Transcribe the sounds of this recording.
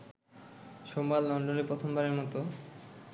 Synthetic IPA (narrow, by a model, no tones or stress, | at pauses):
ʃombalːɔɳɖolipɾot̪ʰombaɾeɾmɔt̪o